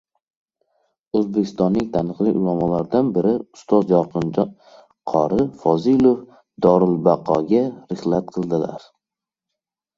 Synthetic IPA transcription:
ɵzbekʲʰɪ̥st̪ɒnːɪŋt̪ʰanɨqlˠɪʔʊlˠamɒlaɾd̪anbɪɾɪʊ̥st̪ʰɒzjɒqʰɨn | qʰɒɾɪfɒzilˠof | d̪ɒɾɪlˠbaqʰɒɡʲaɾɨχlat̪̚qʰɨlˠd̪ɪla̰ɾ

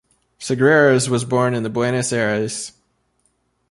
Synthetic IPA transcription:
sɨɡɹɛɹɨzwʌzbɔɹnɨ̃nðɨbwɛñɨsɛɹɨz̥

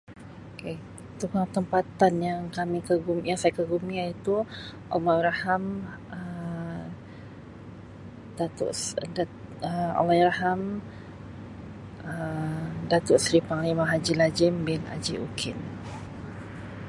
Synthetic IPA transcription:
oke | t̪ukaŋt̪əmpat̪anjaŋkamĩkəɡumjaŋsajakəɡumĩait̪uʔo̰majɾaham | ə | d̥at̪ʊ̰ʔsdaəo̰lajɾaɦam | ədat̪ʊʔsɾipaŋlimãɦad͡ʒilad͡ʒɪmbɪna̰d͡ʒiʔukʰɪn

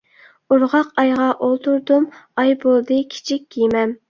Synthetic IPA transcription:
uɾʁɑqɑjʁɑʔolˠt̪ʰuɾd̪umɑjbolˠd̪ɨkʲʰi̥t͡ʃʰik̚ʲkʲʰijmɛm

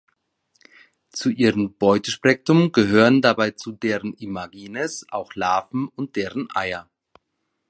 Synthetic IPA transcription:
t͡suʔiːʁəmb̥ɔʏtəʃpʁ̥ɛk̚tʊmɡəɦøːʁəndabaɪt͡sudeːʁənimaɡiːnəsʔa̰ʊxlaːfm̩ʊnt̚d̥eːʁənʔa̰ɪɐ

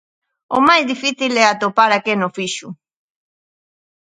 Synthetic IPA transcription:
omajzðifiθilɛat̪opaɾakenofiʃu

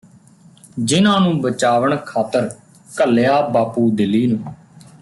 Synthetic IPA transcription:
d͡ʒɪnãːnũːbət͡ʃaːʋəɳkʰaːt̪əɾ | kəljaːbaːpuːd̪ɪlːiːnũː

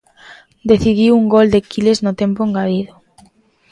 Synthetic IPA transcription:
d̪eθiðiwuŋɡold̪ekileznʊt̪empoeŋɡaðiðo

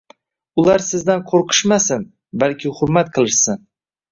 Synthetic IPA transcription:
ʊlaɾsɪzd̪anqʰoɾqʰɨ̥ʃmasɪn | balkʲʰɪhʊɾmat̪qʰɨlˠɪʃsɪn

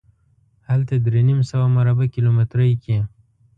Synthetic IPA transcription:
halt̪ad̪ɾenimsawamaɾabakilomɪt̪ɾajki

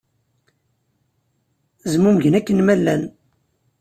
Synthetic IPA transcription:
zəmumʝənækːənmælːæn

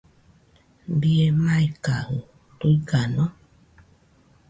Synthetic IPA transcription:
biemaikaho | toiɡanɔ

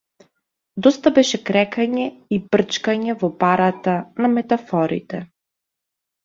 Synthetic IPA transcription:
d̪ɔst̪abɛʃɛkɾɛkaɲɛibr̩t͡ʃkaɲɛvɔpaɾat̪anamɛt̪afɔɾḭt̪ɛ

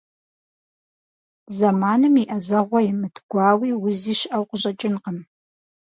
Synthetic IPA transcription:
zɐmaːnɨmiʔɐzɐʁʷɔjɪmɨtʰɡʷɑːwiːwʊziːʃɪʔɐwqʷʊʑʼɐt͡ʃʼɪnqəm

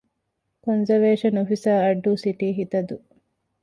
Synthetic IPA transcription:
konzɐɾʋeːʃɐnofisaːɐɖːuːsiʈiːɦit̪ɐd̪u

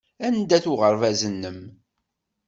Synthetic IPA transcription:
ænd̪æθuʁəɾˤvæzənːəm

